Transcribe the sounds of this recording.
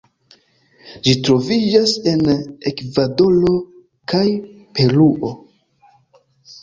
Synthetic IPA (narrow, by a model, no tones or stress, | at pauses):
d͡ʒitɾo̞vid͡ʒase̞nekvado̞lo̞ | kaj | pe̞luʔo̞